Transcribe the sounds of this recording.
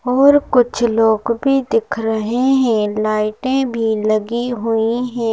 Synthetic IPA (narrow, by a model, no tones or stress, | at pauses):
ɔːɾkʊt͡ʃʰloːɡbʱid̪ɪkʰɾəɦeɦɛ̃ːlaːɪʈẽbʱilɐɡiɦʊiɦɛ̃ː